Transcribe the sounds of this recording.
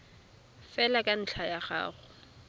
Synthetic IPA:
fɛlakʼan̩ɬʰajaχa̰ːχʊ

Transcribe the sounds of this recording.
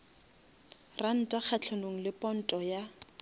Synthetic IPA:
ran̩tʼak͡xʰat͡ɬʰonoŋ̩lɪpʼɔn̩tʼɔja

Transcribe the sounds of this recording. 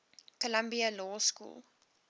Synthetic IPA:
kolɐmbiəlɔːskṵːlˠ

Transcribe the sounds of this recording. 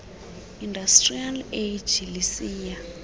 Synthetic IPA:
indastʼrialed͡ʒilisiːja

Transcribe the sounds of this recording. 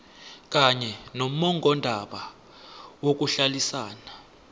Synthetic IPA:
k̬ʼaɲɛnom̩ɔŋʱɔndʱaɓa | wok̬uɬalisaːna

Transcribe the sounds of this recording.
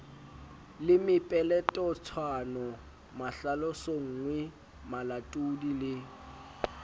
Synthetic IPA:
lɪmɪpʼɛlɛtʼɔt͡sʰwanɔ | maɬalɔsoŋ̩ːŋwɛ | malatʼudilɪ

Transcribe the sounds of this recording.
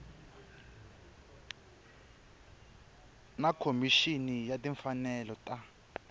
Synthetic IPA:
nakʰomiʃinijatiɱfanɛlɔtʼa

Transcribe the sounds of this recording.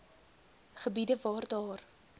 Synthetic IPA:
χəbidəvɑːrdɑːr

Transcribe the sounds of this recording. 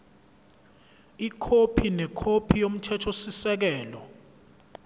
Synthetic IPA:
ikʰopʰinɛkʰopʰijom̩tʰɛtʰosisɛk̬ɛːlɔ

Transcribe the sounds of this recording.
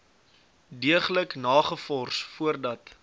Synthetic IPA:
diəχləknɑːχəfɔrsfuərdɐt

